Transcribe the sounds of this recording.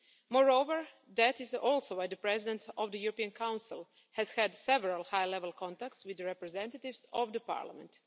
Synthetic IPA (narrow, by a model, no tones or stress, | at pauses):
mɔɹoʊʋəɹ | d̪ætɪzɔlˠsowwajd̪əpɾɛzɪdɛ̃nt̪ʰɔʋd̪əjuɾɔpiãnkʰãwnsɪlˠ | hɛz̥hɛdsɛʋɛɹalˠhajlɛʋəlˠkʰɔ̃nt̪ak̚t̪swɪd̪əɹɛpɹɛzɛ̃nt̪at̪ɪʋsɔvd̪əpa̰ɹla̰mɛ̰̃nt